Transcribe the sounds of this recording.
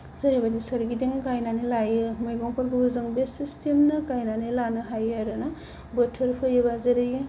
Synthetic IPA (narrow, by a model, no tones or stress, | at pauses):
zɐɾibadisɯɾɡidiŋkajnanilajɯmɯjɡɔŋpʰɯɾɡɯbɯzɯŋbesistʰemnɯkajnanelanɯɦajaɾɯna | bɯtʰːɯɾpʰɯjebazɯɾɯjɯ